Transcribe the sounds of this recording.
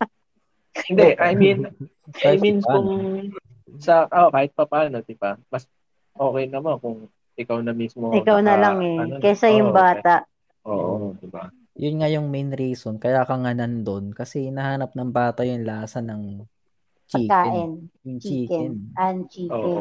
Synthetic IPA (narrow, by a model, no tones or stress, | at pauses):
hɪnd̪ɛʔɐjmin | ajminkʊŋ | sɐokaːhɪt̪̚pɐpaːnod̪ɪbamɐs | ʔoːkɛjnɐmɐnkʊŋ | ʔɪkawnɐmismoɪkawnɐlaŋɛokɛsɐjʊŋbaːt̪ɐʔ | ʔoːʔod̪ɪba | jʊnŋajʊŋmejnɾiːsonkɐjaːkɐŋɐnɐnd̪onkɐsɛnɐhaːnɐp̚nɐŋbaːt̪ɐjʊnlɐaːsɐnɐŋ | pt͡ʃɐiːkːaːɛʔɪnjʊŋt͡ʃt͡ʃikɛnant͡ʃiːoːɛ